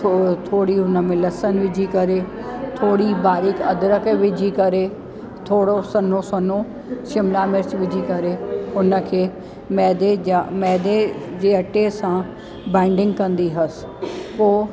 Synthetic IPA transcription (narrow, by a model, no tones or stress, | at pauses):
t̪ʰoːɽiɦʊnəmẽlɐsənʋɪd͡ʒʱikɐɾeːt̪ʰoːɽibaːɾɪkɐd̪ɾəkʋɪd͡ʒʱikɐɾeː | t̪ʰoːɽosɐnõːsɐnõː | ʃɪmlaːmɪɾt͡ʃʋɪd͡ʒʱikɐɾeʊnəkʰeː | mɛːd̪eamɛːd̪ed͡ʑeːɐʈesã | bãːɪɳɖɪ̃ŋɡkɐ̃nd̪iːɦɐs | poː